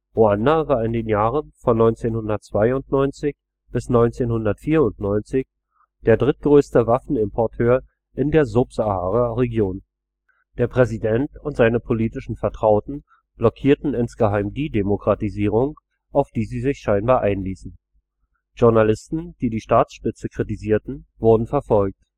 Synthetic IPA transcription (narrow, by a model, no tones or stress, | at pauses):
ʁoandavaːɐɪndeːnjaːʁənfɔnːɔʏnt͡seːnhʊndɐtt͡sv̥aɪʊntnɔʏnt͡sɪç | b̥ɪsnɔʏnt͡seːnhʊndɐtfiːɐʊntnɔʏnt͡sɪç | d̥eːɐdʁɪt̚ɡ̥ʁøːstəvafn̩ɪmpʰɔɐtʰøːɐ | ʔɪndeːɐzʊpz̥ahaːʁəʁeɡjoːn | d̥eːɐpʁ̥ɛzidɛntʊntz̥aɪnəpʰoliːtɪʃn̩fɛɐtʁ̥aʊtn̩ | b̥lɔkʰiːɐtn̩ɪnsɡ̥əɦaɪmdiːdemokʁ̥atiziːʁ̞ʊŋ | ʔaʊfd̥iːziːzɪçʃaɪnbaːɐʔaɪnliːsn̩ | ʒ̥ʊɐnalɪstn̩d̥iːdiːʃtaːsʃpɪt͡səkʁ̥itiziːɐtn̩vʊɐdn̩fɛɐfɔlk̚t